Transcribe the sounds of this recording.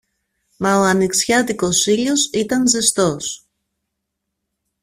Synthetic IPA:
mɐoɐniksçɐt̪iko̞siʎosit̪ɐnze̞st̪o̞s

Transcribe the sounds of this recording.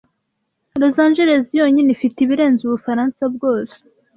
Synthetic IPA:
lozaːnʒeɾe̞zijoːɲinifitiβiɾe̞ːnzuβufaɾaːnsabɡo̞ːze̥

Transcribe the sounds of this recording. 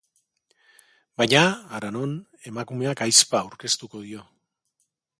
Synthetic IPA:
bajɲaːɾano̞n | e̞makume̞akajspaːwɾke̞st̪uko̞ð̞io̞

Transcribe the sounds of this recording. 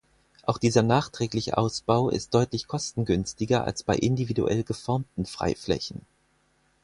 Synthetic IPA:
ʔaʊxd̥iːzɐnaːχtʁ̥ɛːklɪçə̰ʔaʊsb̥aʊɪ̰st̚d̥ɔʏtlɪçkʰɔstn̩ɡʏnstɪɡɐʔa̰lsb̥aɪʔɪndividṵʔɛ̰lɡəfɔɐmtn̩fʁ̥a̰ɪflɛ̰çn̩

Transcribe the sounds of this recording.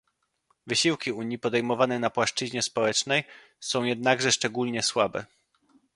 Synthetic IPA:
vɘɕiwkʲiuɲipɔd̪ɛjmɔvanɛnapwaʂt͡ʂɘʑɲɛspɔwɛt͡ʂnɛj | sɔ̃w̃jɛd̪̚naɡʐɛʂt͡ʂɛɡulɲɛswabɛ̰

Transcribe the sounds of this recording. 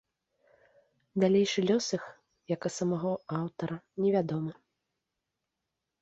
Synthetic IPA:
d̪alʲejʂɨlʲɔsɨx | jɐkɐsɐmaɣɔawt̪ɐɾɐnʲɛvʲad̪ɔmɨ

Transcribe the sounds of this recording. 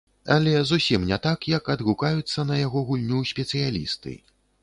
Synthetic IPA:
ɐlʲɛzusʲimnʲɛt̪akjɐkɐd̪ɣukajut̪sːɐnɐjaɣɔɣulʲnʲusʲpʲɛt̪sɨjalʲḭst̪ɨ̰

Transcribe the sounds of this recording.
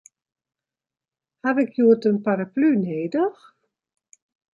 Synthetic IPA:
havɪkʰjuətənpaɾaplyneːdəx

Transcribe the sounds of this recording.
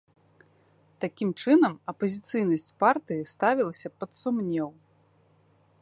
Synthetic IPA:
t̪akʲimt͡ʂɨnɐmɐpɐzʲit̪sɨjnɐsʲt͡sʲpart̪ɨjist̪avʲilˠɐsʲɐpɐt̪sumnʲɛw

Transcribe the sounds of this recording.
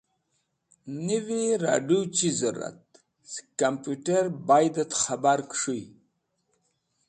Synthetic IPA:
niviɾa̰ɖut͡ɕizuɾa̰t̪̚ | skampjuʈeɾbajd̪ət̪χabaɾkʂuj

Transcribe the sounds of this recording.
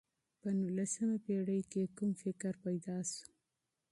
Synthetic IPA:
pənulasəmapeɽəjkekumfɪkɾpajd̪ɑsu̥

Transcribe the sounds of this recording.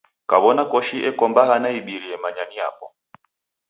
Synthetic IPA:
kaβɔnakɔʃiʔɛkɔmbahanaiɓiɾiɛmaɲanija̰pɔ

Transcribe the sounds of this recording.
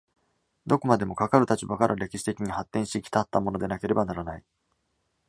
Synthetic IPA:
d̪o̞ko̞mad̪e̞mo̞kakaɾɯ̟t̪at͡ɕibakaɾʔaɾe̞kʲiɕi̥t̪e̞kʲiɲ̟ihat̪ːẽ̞ɕi̥t̪ekʲi̥t̪at̪ːa̰mo̞no̞d̪e̞nake̞ɾe̞banaɾanai

